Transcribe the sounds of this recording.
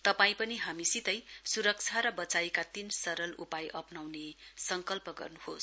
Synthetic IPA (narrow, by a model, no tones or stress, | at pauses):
t̪ʌpaĩpʌniɦamisit̪ʌjsuɾʌk̚t͡sʰaɾʌbʌt͡sajkat̪insʌɾʌlupajʔʌpnawnesʌŋkʌlpʌɡʌ̰rnuhos